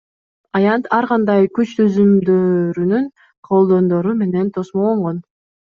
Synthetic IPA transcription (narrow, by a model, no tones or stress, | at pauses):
ɑjɑnt̪ʰɑɾʁɑnd̪ɑjkyt͡ʃt̪ʰyzymd̪øɾynyn | qʰo̞lˠd̪o̞nd̪o̞ɾume̞ne̞nt̪ʰo̞smolˠoɴʁon